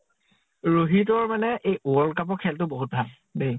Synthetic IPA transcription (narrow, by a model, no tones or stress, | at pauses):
ɹoɦitɔɹmanɛʔejʔuɔlkap̬ɔɹkʰɛltʊboɦut̚bʱal | bej